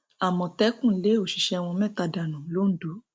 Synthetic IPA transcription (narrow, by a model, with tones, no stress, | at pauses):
a˨mɔ̃˨tɛ˦kũ˦˨˦le˨˦o˨ʃi˨ʃɛ˧w̃ɔ̃˧mɛ̃˦˨ta˧da˨nũ˨˦lo˨˦n̩˦do˨˦